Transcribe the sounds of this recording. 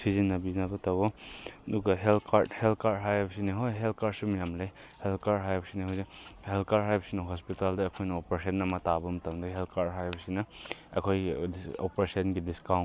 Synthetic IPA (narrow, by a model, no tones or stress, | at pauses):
sizinːɐbinɐbɐtawoɐduɡɐɦelkʰaɾdhelkaɾɦajbɐsiniɦojɦelkaɾsumijamlej | helkaɾɦajbɐsiniɦawzihelkaɾɦajbɐsinɐɦɔspitaldɐːkʰojnɐopɾesɐnɐmɐtabɐmɐtɐmdɐɦelkaɾɦajbɐsinɐɐkʰojiopɾesɐnɡidiskawnt